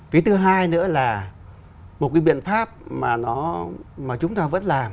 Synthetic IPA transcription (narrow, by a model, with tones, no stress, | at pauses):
fi˨˦t̪ɨ˨˧ɦaː˧jnɨ̰˧˥əlaː˨˩ | mo˨˩t̚kaː˨˦jɓḭ˧˨ənfaː˦˥p̚maː˨˩nɔ˨˦maː˨˩t͡ɕʊ˨˦ŋ͡mt̪aː˧və̰˧˥nlaː˨˩m